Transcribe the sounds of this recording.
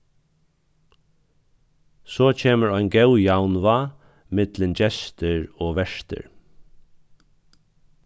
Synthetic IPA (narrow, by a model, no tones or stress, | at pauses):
sɔːt͡ɕʰeːməɹɔjnɡɛwjawnʋa | mɪt̪lɪnt͡ɕɛst̪ɪɹɔːʋɛʂt̪ɪ̰ɹ